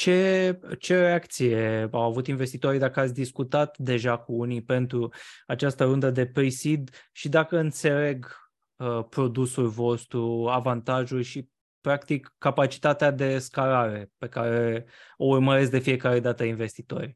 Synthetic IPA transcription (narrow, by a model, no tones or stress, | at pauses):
t͡ʃe̞t͡ʃe̞ɾe̞akt̪sije̞awavut̪inve̞st̪it̪o̞ɾid̪akəat̪sʲd̪iskut̪at̪d̪e̞ʒakuunipe̞nt̪ɾuat͡ʃast̪əɾund̪əd̪e̞pɾisid̪ʃid̪akəɨnt̪se̞le̞ɡ | əpɾo̞d̪usulvo̞st̪ɾuavant̪aʒulʲʃi | pɾakt̪ikːapat͡ʃi̥t̪at̪ead̪e̞skaɾaɾe̞pe̞kaɾe̞o̞urməɾe̞s̬k̚d̪e̞fije̞kaɾe̞d̪at̪əinve̞st̪it̪o̞̰rʲ